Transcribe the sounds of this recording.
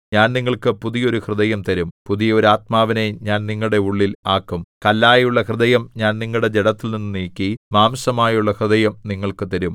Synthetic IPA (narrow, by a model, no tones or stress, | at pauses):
ɲaːnniŋːɐɭkɨpuðijo̞ɾuhrɨðɐjɐmt̪ɐɾumpuðijɐoɾaːt̪̚maːʋine̞ɲaːnniŋːɐɭɽe̞uɭːilaːkːumkɐlːaːjuɭːɐhrɨðɐjɐmɲaːnniŋːɐɭɽe̞d͡ʑeɽɐt̪ːilninːɨniːkːimaːmsɐmaːjuɭːɐhrɨðɐjɐmniŋːɐɭkɨt̪ɐɾum